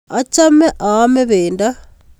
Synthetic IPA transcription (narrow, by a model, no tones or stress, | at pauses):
at͡ʃameʔameβeːnda